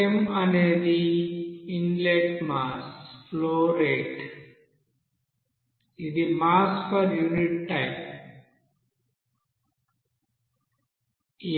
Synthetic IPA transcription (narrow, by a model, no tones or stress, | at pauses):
eməned̪i | inleʈmaːsfloːɾeʈ | id̪imaːsfɔɾjuːniʈːaɪp̚ | j